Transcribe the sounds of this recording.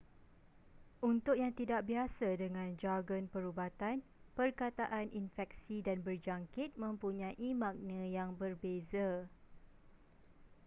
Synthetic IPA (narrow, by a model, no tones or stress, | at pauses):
ʔunt̪ʊʔ̚jaŋt̪idaʔ̚biasadəŋãnd͡ʒaɡənpəɾubat̪anpərkat̪aʔanʔinfɛk̚sidanbərd͡ʒaŋkɪt̪̚mə̃mpuɲãʔimãk̚nə̃jaŋbərbeza